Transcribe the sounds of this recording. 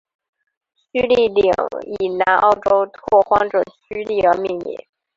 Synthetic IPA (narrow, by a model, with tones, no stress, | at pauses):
ɕy˥li˥˩li˨˩ŋi˨˩na˧˥nʔɑ̰˥˩ʊʈ͡ʂo˥ʊt̪ʰwɔ˥˩xwɑ˥ŋʈ͡ʂɤ˨˩ɕy˥li˥˩ə˧˥mi˥˧nḭ˧˩˦